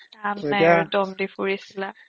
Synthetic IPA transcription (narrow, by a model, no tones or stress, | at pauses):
amɛdɔmdipuɹisila